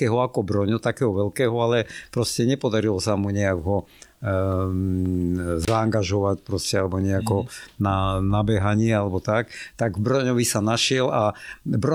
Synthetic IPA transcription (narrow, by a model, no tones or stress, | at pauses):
ɛːɦɔakɔbɾɔɲɔt̪akɛːɦɔʋɛlkɛːɦɔalɛpɾɔscɛɲɛpɔd̪aɾilɔsamuɲɛaɡɦɔ | zaːŋɡaʒɔʋacpɾɔscɛalɛbɔɲɛakɔnanabɛɦaɲɪɛalɛbɔt̪akt̪aɡbɾɔɲɔʋisanaʃɪɛlabɾɔ